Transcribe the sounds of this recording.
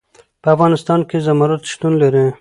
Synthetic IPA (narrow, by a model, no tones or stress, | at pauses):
pəafɣɑnɪst̪ɑnkezamɑɾat̪ʃt̪unlaɾe